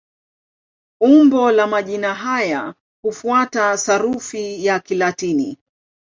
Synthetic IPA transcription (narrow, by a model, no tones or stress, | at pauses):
umbɔlamaʄinaɦaja | hufuatasaɾufijakilatinḭ